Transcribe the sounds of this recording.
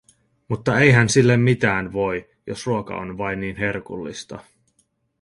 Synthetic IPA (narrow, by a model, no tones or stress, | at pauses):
mut̪ːɑe̞jɦænsilːemːit̪æːnʋo̞j | jo̞sruokɑ̰o̞̰nʋɑjnːiːnɦe̞rkulːḭst̪ɑ̰